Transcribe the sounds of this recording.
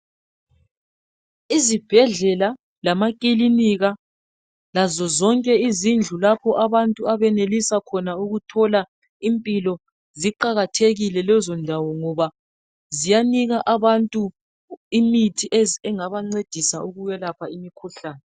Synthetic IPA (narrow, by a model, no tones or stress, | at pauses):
izib̥ʱɛɮɛla | lamakʼiliniɣa | lazɔzɔŋkʼɛizind͡ɮʱulapʰɔʔaβantʼuaβɛnelisakʰɔnauɣutʰɔla | impʼilɔ | ziǃaɣatʰeɣilɛlɛzɔndʱawɔŋɔβa | zijaniɣaʔaβantʼu | imitʰiʔɛɛŋaβaŋ͡ǀed̥ʱisauɣujɛlapʰaimikʰuɬaːnɛ